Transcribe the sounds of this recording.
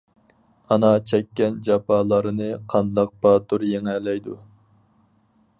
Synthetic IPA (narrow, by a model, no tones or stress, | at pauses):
ɑnɑt͡ʃʰɛkʲːɛnd͡ʒɑpʰɑːlˠɑɾɨnɨqʰɑnd̪ɑq̚bɑt̪uɾjeŋɛlɛjd̪u